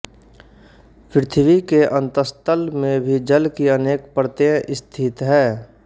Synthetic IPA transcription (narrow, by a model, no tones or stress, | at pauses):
pɾɪt̪ʰʋikeʔə̃nt̪əst̪əlmẽbʱid͡ʒəlkiəneːkpɾət̪eəʔɪst̪ʰɪt̪ɦɛː